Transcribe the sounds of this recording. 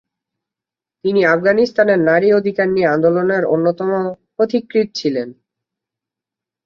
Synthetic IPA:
t̪iniafɡanist̪aneɾnaɾiod̪ʱikaɾnijeand̪oloneɾonːot̪ɔmopɾot̪ʰikɾit̪̚t͡ɕʰilen

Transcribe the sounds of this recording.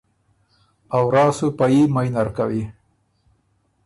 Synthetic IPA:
awɾɑːsupajimajnaɾkawi

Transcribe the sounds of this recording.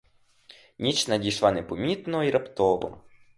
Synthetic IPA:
nʲit͡ʃnɐdʲijʃlˠanɛpɔmʲit̪nɔiɾʔɐpt̪ɔʋɔ̰

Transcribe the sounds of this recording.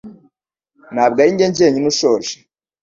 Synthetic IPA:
naːb̚ɡajiɲɟeɲɟeːɲinuʃoʒe̥

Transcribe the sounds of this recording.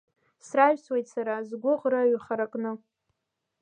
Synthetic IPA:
sraʒᶣsʰwejtʼsaɾazɡʷʊʁraɥχaɾakʼnɨ

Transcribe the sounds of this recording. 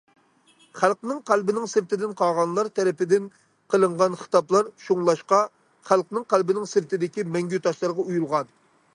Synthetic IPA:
χælˠqnɪŋqʰælbɪnɪŋsɨɾt̪ɪd̪ɪnqʰɑʁɑnlˠɑɾt̪ʰɛɾɪpɪd̪ɪn | qʰəlˠəɴʁɑnχə̥t̪ɑplˠɑɾʃuŋlˠɑʃqɑ | χælˠqnɪŋqʰælbɪnɪŋsɪɾt̪ʰɪd̪ɪkʲimɛŋɡʲyt̪ʰɑʃlˠɑɾʁɑujulˠʁɑn

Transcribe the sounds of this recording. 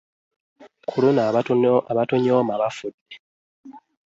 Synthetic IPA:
kʰulunaaβatoɲoːmaβafudːe

